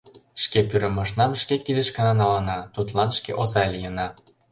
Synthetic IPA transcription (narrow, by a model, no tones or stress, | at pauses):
ʃkepyɾə̆mɑʃnɑmʃkekid̪ə̆ʃkɤ̆nɑnɑlɑnɑt̪ut̪lɑnʃkeʔozɑlʲijə̆nɑ